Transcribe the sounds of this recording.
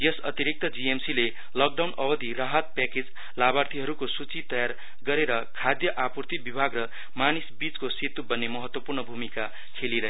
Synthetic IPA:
jʌsʌ̰t̪iɾik̚t̪ʌd͡ziemsile | lʌk̚ɖawnʌbʌd̪ʱirʌɦʌt̪̚pɛked͡z | labart̪ʰiɦʌɾukosut͡sit̪ʌjar | ɡʌɾeɾʌkʰad̪jʌʔapurt̪ibibʱaɡrʌ | manisbit͡skosit̪ubʌnːemʌɦʌt̪wʌpurnʌbʱumika | kʰeliɾʌɦ

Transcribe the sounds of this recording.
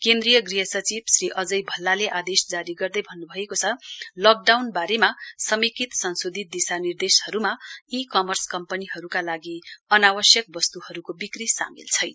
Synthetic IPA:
kend̪rijʌɡriɦʌsʌt͡sibsriʔʌd͡zʌjbʱʌlːaleʔad̪esd͡zaɾiɡʌrd̪ʌjbʱʌnːubʱʌekot͡sʰʌlʌk̚ɖawnbaɾemasʌmikit̪sʌnsod̪ʱit̪̚d̪isanird̪eshʌɾumaikʌmʌrskʌmpʌniɦʌɾukalaɡiʌnawʌsjʌk̚bʌst̪uhʌɾukobikrisa̰mḭlt͡sʰʌj

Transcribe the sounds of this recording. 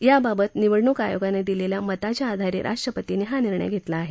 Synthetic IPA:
jababət̪niʋəɽɳukajoɡaned̪ileljamət̪at͡ɕjaːd̪ʱaɾiɾʔa̰ʂʈɾəpət̪iniɦaniɾɳə̰jɡʱet̪laːɦe

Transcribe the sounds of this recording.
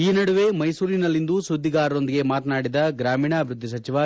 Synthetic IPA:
iːnɐɽuʋe̞mɐjsuːɾinɐlːind̪usud̪ʱːiɡaːɾɐɾo̞nd̪iɡe̞maːt̪naːɽid̪ɐɡɾaːmiːɳabʱɾud̪ʱːis̬ɐt͡ʃiʋɐ

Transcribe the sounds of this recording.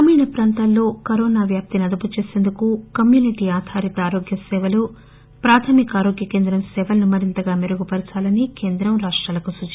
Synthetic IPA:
ɐmiːnɐpɾaːnt̪ɐlːo̞ːkɐɾoːnaːʋjaːp̚t̪inɐd̪ɐput͡ʃe̞ːse̞ːnd̪ukukɐmjuːniʈiːaːd̪ʱaːɾit̪ɐaːɾoːɡjɐsɛːʋɐlu | pɾaːt̪ʰɐːmikaːɾoːɡjɐke̞ːnd̪ɾɐmsɛːʋɐlɐnumɐɾint̪ɐɡaːmeɾuɡupɐɾit͡ʃaːlɐnike̞ːnd̪ɾɐmɾaːʂʈɾaːlɐkusut͡ʃ

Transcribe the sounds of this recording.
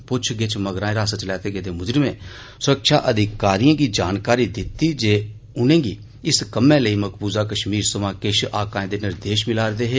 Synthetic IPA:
pʊt͡ʃʰɡɪt͡ʃməɡɾaːẽːɾaːsət͡ʃlɛːt̪eːɡeːd̪eːmʊd͡ʒɾɪmẽː | sʊɾəkʃa̰ːʔəd̪ʱɪkaːɾijãːɡiːd͡ʒaːnkaːɾiːd̪ɪt̪ːiːd͡ʒeː | ʊnẽːɡiː | ɪskəmẽːləiːməkʰbuːzaːkəʃmiːɾsəmãːkeʃʔaːkãːẽd̪eːnɪɾd̪eːʃmɪlaːɾd̪eːɦeː

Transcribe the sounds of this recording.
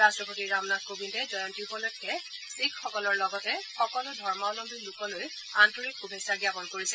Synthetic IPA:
astɹɔpotiɹamnatkobintɛzɔjɔntipɔlɔjtkɛ | sikʰxɔkɔlɔɹlɔɡɔtɛxɔkɔlʊdʱɔɹmaɔlɔmdilukɔloj | antɔɹik̚ɡubʱesaɡjapɔnkoɹisɛ

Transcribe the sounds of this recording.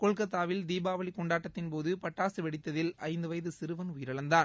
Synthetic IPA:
kɔɭkɐt̪ːaːʋɪld̪iːbaːʋɐɭikɔɳɖaːʈːɐt̪ːɪnpoːðɯpɐʈːaːsɯʋɛɽɪt̪ːɐðɪlɐ̰ɪnd̪ɯʋɐjɐðɯsɪɾɯʋɐnʊjɪɾɐɭɐnd̪aːn

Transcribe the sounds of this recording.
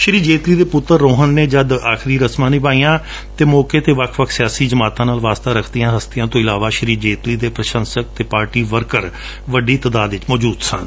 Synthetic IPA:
ʃəɾiːd͡ʒeːt̪liːd̪eːpʊt̪ːəɾːoːɦənːeːd͡ʒəd̪aːkʰɾiːɾəsmãːnĩːpaːijãː | t̪eːmɔːkeːt̪eːʋəkʰʋəkʰsɪjaːsiːd͡ʒəmaːt̪ãːnaːlʋaːst̪aːɾəkʰd̪ijãːɦəst̪ɪjãːt̪õːɪlaːʋaːʃəɾiːd͡ʒeːt̪liːd̪eːpɾəʃə̃nsək̚t̪eːpaːɾʈiːʋəɾkəɾ | ʋəɖiːt̪əd̪aːd̪ʋɪt͡ʃmɔːd͡ʒuːd̪sə̰̃n

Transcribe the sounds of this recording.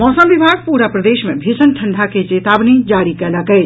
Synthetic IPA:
mɔːsəmʋibʱaɡpuɾapɾəd̪eʃmebʱisənʈʰəɳɖʱaket͡ʃet̪abnid͡ʒaɾikɛləkɛt͡ʃ

